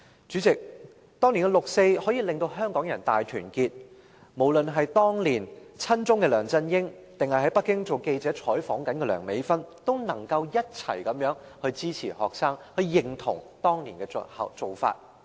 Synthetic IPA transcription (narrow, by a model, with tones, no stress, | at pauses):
t͡ʃy˨˥t͡sɪ˨k̚ | t̪ɔː˥ŋli˨˩ŋɛ˧lʊ˨k̚se˧jhɔː˨˥jiː˨˧lɪ˨ŋt̪o˧wɦœː˥ŋkɔː˨˥ŋjɐ˨˩nt̪aː˨jt̪ʰyː˨˩nkiː˧t̚ | mo˨˩wlɵ˨nɦɐ˨jt̪ɔː˥ŋliː˨˩nt͡sʰɐ˥nt͡sʊ˥ŋkɛː˧lœː˨˩ŋt͡sɐ˧njɪ˥ŋ | t̪ɪ˨ŋhɐ˨jɦɐ˨˥jpɐ˥kːɪ˥ŋt͡so˨wke˧jt͡sɛː˨˥t͡ʃʰɔː˨˥jfɔː˨˥ŋkɐ˨˥nkɛ˧lœː˨˩ŋme˨˥jfɐ˥nt̪o˥wnɐ˨˩ŋkɐ˧wjɐ˥t̚t͡sʰɐ̰˨˩jkɐ˨˥mjœː˨˥ŋ | hɵ˧ɥt͡siː˥t͡sʰiː˨˩hɔ̰ː˨k̚saː˥ŋhɵ˧jɪ˨ŋt̪ʰʊ̰˨˩ŋt̪ɔː˥ŋli˨˩nkɛ˧t͡shɐ̰˨t͡so˨wfa̰ː˧t̚